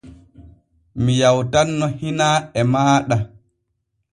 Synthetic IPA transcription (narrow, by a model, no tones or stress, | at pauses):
mijawtanːɔhinaɛmaːɗa